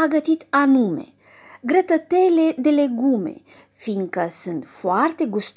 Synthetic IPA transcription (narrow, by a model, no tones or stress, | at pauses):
aɡət̪it̪anume̞̰ | ɡɾət̪ət̪eled̪e̞le̞ɡume̞̰ | fiŋkəsɨnt̪foart̪e̞ɡust̪